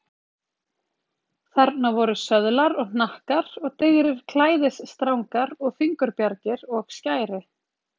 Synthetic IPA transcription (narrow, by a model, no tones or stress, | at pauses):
θaɾt̪navɔɾʏsœðlaɾɔɣnnahkaɾɔɣt̪ɪɣɾɪɾ̥kʰlaːjðɪsst̪ɾawŋkaɾɔɣfiŋkʏɾpjaɾcɪɾɔɣscaːjɾɪ